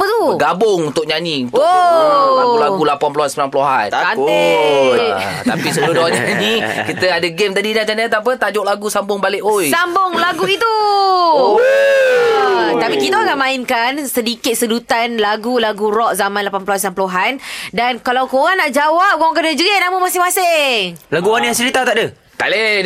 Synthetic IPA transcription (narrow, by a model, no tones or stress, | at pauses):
pət̪uɡabʊŋunt̪ʊʔ̚ɲaniunoaɡulaulapanpuluhansbulanp̬luɦa̰nane | a̰pisəlodoaɲanikit̪əadəɡemt̪adinat͡ʃanat̪ap̬ət̪ad͡ʒɔʔlaɡusambʊŋbalɪʔojsambʊŋlaɡuit̪u | t̪apikit̪əakaʔmãɪnkansədikɪt̪̚sədut̪anlaɡulaɡuɾɔʔzamanlapanpluɦanslanpluɦandankalawkoɣanaʔd͡ʒawap̚koaŋk̬ənəd͡ʒəɣɪʔnaməmasɪmasɪŋŋlaɡuanjãŋt͡ʃəɾit̪at̪aʔdə | t̪aʔle